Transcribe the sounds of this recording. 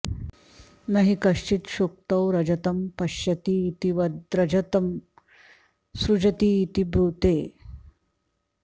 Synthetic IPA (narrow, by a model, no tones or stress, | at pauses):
nɐɦikɐʂt͡ʃit̪ɕok̚t̪ɐwɾɐd͡ʑɐt̪ɐmpɐɕjɐt̪iːt̪iʋɐɾɐd͡ʑɐt̪ɐm | sɾud͡ʑɐt̪iːt̪ibɾuːt̪eː